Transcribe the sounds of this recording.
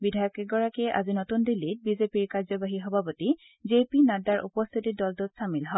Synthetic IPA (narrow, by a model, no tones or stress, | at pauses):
bidʱajɔkɛɡɔɹakɛʔa̰zinɔtundilːit̚bizepiɹkaɹzɔbaɦixɔbʱapoti | zepinadaɹʔṵpɔst̪ʰitidɔltʊt̚samilɦɔ